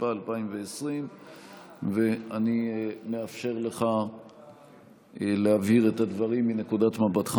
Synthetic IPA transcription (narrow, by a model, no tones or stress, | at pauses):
paːlpaimveesʁim | ve̞anime̞afʃe̞ʁle̞χa | leaviʁet̪ad̪vaʁimːine̞kud̪at̪mabat̪χa